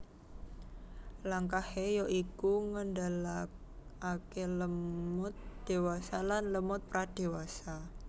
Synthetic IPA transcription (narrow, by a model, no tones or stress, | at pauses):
laŋkahejoʔikuŋəndalak̚akeləmʊt̪̚d̪̥e̤wasalanləmʊt̪̚pɾad̥e̤wasa